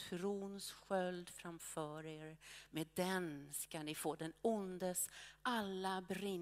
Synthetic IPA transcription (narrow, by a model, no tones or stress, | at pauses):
tʰɾuːnsɧœld̪fɾamfœːɾeːɾmeːd̪ɛnskanːɪfoːd̪ɛnʊnd̪əsʔalːabɾɪ